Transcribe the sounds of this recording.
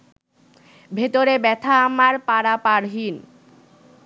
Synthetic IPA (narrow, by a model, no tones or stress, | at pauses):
bʱet̪oɾebɛt̪ʰaːmaɾpaɾapaɾɦin